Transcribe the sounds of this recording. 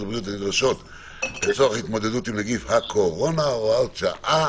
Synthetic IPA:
bʁijut̪anid̪ʁaʃo̞t̪ | let͡soaχit̪mo̞d̪edutimleɡifhakʰoʁo̞naoalʃa̰ʔa

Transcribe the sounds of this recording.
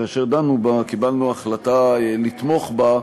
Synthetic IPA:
aːʃeʁd̪anubakibalnuaχlat̪alit̪mo̞χba

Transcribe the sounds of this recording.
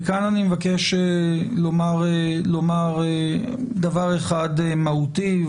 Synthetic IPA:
kananimevakeʃelomaʁlomaʁe | d̪avaʁeχad̪emahuti

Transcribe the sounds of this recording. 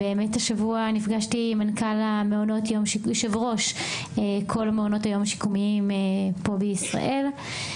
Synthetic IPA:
beːmetaʃavuanifɡaʃtimankalameono̞tjo̞mʃijoʃevʁo̞ʃ | ekʰo̞lameono̞tajo̞maʃi̥kumiimepo̞beisʁa̰ʔe̞l

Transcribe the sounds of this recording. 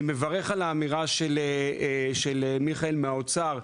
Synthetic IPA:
mevaʁe̞χalaːmiʁaʃeleʃelemiχaelmeaot͡saʁ

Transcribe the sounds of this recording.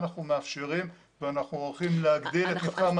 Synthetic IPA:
naχnumeafʃeʁim | veanaχnuolχimleaɡd̪ilet̪nitχam

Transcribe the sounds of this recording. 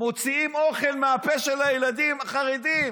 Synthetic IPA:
mo̞t͡siimo̞χe̞lmeapeʃelajelad̪imaχaʁed̪im

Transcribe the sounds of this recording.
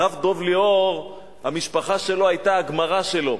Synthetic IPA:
avd̪o̞vleoʁ | hamiʃpaχaʃe̞lo̞ajt̪aːɡmaʁaʃe̞lo̞

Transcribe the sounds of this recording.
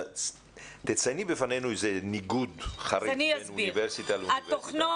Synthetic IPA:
t̪et͡sajnibefanejnuezeniɡudχaɾeanianbuiiveɾsit̪alatvoχno

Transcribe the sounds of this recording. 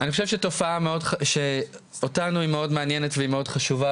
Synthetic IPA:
aniχoʃevʃeto̞faameo̞dχʃe | otanuimeo̞dmeanjenetveimeo̞dχaʃuva

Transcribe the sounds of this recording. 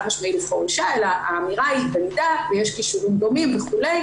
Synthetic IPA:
maʃmailefoʁuʃaelaaːmiʁaiband̪aveje̞ʃkiʃuʁimd̪o̞mimveχule̞j

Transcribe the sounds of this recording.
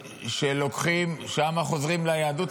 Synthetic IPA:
ʃelo̞kχimʃamaχozʁimlajaːdut

